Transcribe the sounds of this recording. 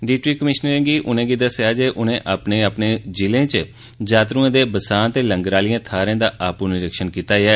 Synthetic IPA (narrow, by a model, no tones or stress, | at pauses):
ɖiːʈɾiːkəmɪʃnəɾẽːɡiːʔʊnẽːɡiːd̪əsjaːd͡ʒeːʔʊnẽːʔapnẽːəpneːd͡ʒɪlẽːt͡ʃə | d͡ʒaːt̪ɾũːãːd̪eːbəsaːt̪eːləŋɡɾaːlijãːt̪ʰaːɾẽːd̪aːʔaːpuːnɪɾəkʃənkiːt̪aːaː